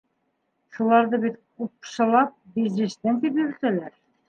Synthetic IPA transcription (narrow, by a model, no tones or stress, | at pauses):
ʃulˠɑɾðɤbit̪kup̚ʃɤ̆lˠɑp̚bizɾɘ̆st̪ænt̪ipjɵɾɘ̆t̪ælæɾ